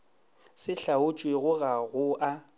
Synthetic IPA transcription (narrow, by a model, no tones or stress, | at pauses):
sɪɬaʊt͡ʃʼweɣʊɣaɣʊʔa